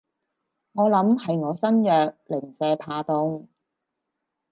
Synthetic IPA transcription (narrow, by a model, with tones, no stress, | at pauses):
ŋɔː˨˧lɐ˨˥mhɐ˨jŋɔː˨˧sɐ˥njœː˨k̚lɪ˨˩ŋsɛː˧pʰaː˧t̪ʊ˨˧ŋ